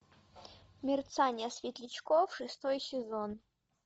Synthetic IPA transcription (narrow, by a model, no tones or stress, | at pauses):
mʲɪrt̪sanʲɐsvʲet̪lʲit͡ɕkofʂɨst̪ojsʲezon